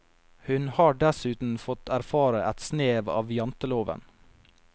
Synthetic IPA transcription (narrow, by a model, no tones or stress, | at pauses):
hʉnhɑːɖɛsʉːt̪n̩fɔt̪ʰæɾfɑːɾəʔæt̪sneːʋɑ̰ːʋjɑnt̪əloːʋə̰n